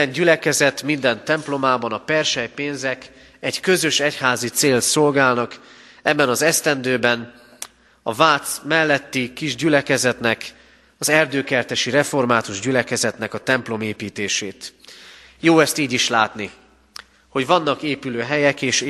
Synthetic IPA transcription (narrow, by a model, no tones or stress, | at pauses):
ɛɲɟylɛkɛzɛt̪mind̪ɛnt̪ɛmplo̞maːbɒnɒpɛrʃɛjpeːnzɛk | ɛɟkø̞zø̞ʃɛchaːzit̪seːlt̪so̞lɡaːlnɒk | ɛbːɛnɒzɛst̪ɛnd̪øːbɛn | ɒvaːt̪smɛlːɛt̪ːikiʒɟylɛkɛzɛt̪nɛk | ɒzɛrd̪øːkɛrt̪ɛʃiɾɛfo̞rmaːt̪uʒɟylɛkɛzɛt̪nɛkɒt̪ɛmplo̞meːpiːt̪eːʃeːt̪ | joːɛst̪iːɟiʃlaːt̪ni | ho̞ɟvɒnːɒkeːpyløːɦɛjɛkeːʃ